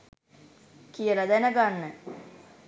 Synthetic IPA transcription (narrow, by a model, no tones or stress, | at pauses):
kijəlɐd̪ænəɡanːə